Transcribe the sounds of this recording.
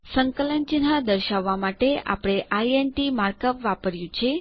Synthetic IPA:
səŋkələnd͡ʒinɦad̪əɾʃaʋːamaʈea̰pɽ̃eʔaienʈimaɾkəpʋapəɾjũt͡ʃʰe

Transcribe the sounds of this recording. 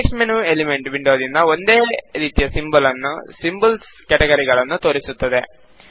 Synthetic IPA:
eksmenuelimeɳʈʋiɳɖoːd̪ind̪ɐo̞nd̪e̞ːɾiːt̪ijɐsimbɐlɐnːṵsimbulskʲɐʈeɡɐɾiɡɐɭɐnːut̪o̞ːɾisut̪ːɐd̪e̞

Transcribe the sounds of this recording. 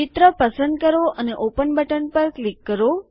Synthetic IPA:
ɪt̪ɾəpəsə̃nd̪̚kəɾoʔəneʔopənbʱəʈənpəɾklikːəɾo

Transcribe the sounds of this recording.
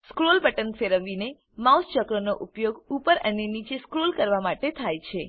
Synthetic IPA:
skɾolbəʈənfeɾəʋine | mawst͡ʃəkɾənoʔupjoɡupəɾənenit͡ʃeskɾolkəɾʋamaʈet̪ʰajt͡ʃʰe

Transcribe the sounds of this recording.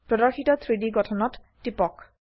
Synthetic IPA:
pɹɔdɔɹxitɔt̪ʰɹidiɡɔtʰɔnɔtːipɔk

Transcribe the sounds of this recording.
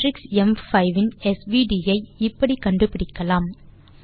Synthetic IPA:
ɾɪksɛmfɐɪʋɪnɛsʋiːɖiːjɐɪɪpːɐɽikɐɳɖɯpɪɽɪkːɐlaːm

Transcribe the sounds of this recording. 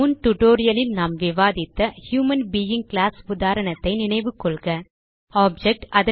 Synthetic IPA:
ʊnʈʊʈoːɾɪjɐlɪlnaːmʋɪʋaːðɪt̪ːɐhjuːmɐnbijɪŋɡklaːsʊðaːɾɐɳɐt̪ːɐɪnɪɳɐɪʋɯkːɔɭɣɐ | aːb̚d͡ʒɛk̚ʈɐðɐ

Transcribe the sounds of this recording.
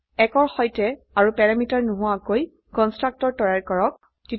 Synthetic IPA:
ɛkɔɹxɔjtɛ | aɹupɛɹamitaɹnuɦʊakoj | kɔnstɹak̚tɔɹtɔjaɹkɔɹɔk̚ | ti

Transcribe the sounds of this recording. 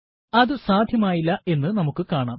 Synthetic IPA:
ɐðɨsaːd̪ʱjɐmaːjilːɐʔe̞nːɨnɐmukːɨkaːɳaːm

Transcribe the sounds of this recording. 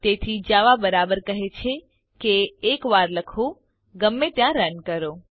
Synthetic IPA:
t̪et̪ʰid͡ʒaʋabəɾabəɾkəɦet͡ʃʰe | keːkʋaɾləkʰũ | ɡəmːet̪jãɾənkəɾo

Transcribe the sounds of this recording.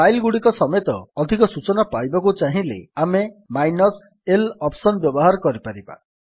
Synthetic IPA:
ajlɡuɽikɔsɔmet̪ɔːd̪ʱikɔsut͡ʃɔnapajbɔkut͡ʃaɦĩlḛamemajnɔs | elɔpsɔnbjɔbɔɦaɾɔkɔɾipaɾiba̰

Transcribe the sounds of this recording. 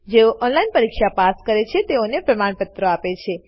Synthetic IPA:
d͡ʒeoʔɔnlainpəɾikʃapaskəɾet͡ʃʰet̪eonepɾəmaɳpət̪ɾəapet͡ʃʰe

